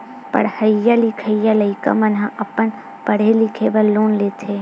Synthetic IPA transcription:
pə̰ɽhəjalikʰəjaləika̰mɐnɦãʔɐpən | pəɽ̤elɪkʰebəlːoːnleːt̪ʰe

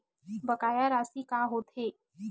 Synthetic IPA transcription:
bəkaːjaɾaːsikaːɦoːt̪ʰeː

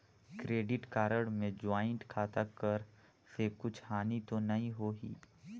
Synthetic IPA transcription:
kɾeːɖɪʈkaːɾəɽmẽd͡ʒaːɪ̃ɳʈkʰaːt̪akəɾ | sekʊt͡ʃʰhaːnit̪onɐɦĩɦoːɦḭː

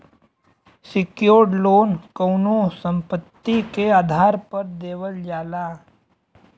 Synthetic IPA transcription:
sɪkjoːɖloːnkəʊnosə̃mpət̪ːikeaːd̪ʱaːɾpəɾd̪eːʋəld͡ʒaːlaː

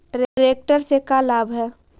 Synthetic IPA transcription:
ɖɾɾek̚ʈəɾsekalaːbʱɦɛː

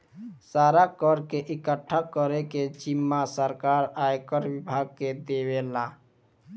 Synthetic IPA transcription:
saːɾakəɾkeʔɪkəʈʰːakəɾeked͡ʒɪmːasəɾkaːɾaːjkəɾwɪbʱaːɡ̚ked̪ewela

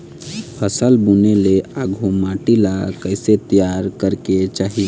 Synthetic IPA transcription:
pʰəsəlbuneleaɡʱomaʈilakəɪset̪əjaɾkəɾket͡ʃaːɦi

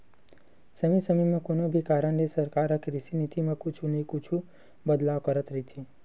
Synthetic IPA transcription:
səmisəmimãkonobʱikaɾəɳnesəɾkaɾəkɾisinit̪imãkut͡ʃʰunəĩkut͡ʃʰu | bəd̪laʋkəɾət̪ɾəit̪ʰe

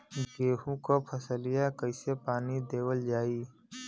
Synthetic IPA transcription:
ɡeːɦũkopʰəsəlijakəɪsepaːnid̪eːwəld͡ʒaːiː

